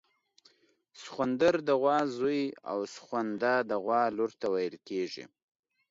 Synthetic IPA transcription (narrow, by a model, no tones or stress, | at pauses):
sxwand̪əɾd̪əɣwɑzuja̰wsxwand̪ad̪əɣwɑluɾt̪awajəlkeʐḭ